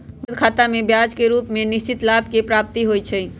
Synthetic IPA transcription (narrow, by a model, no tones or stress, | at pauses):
d̪kʰaːt̪amẽbjad͡ʒkeɾuːpmẽnɪst͡ʃɪt̪labkepɾaːp̚t̪iɦojt͡ʃʰɛ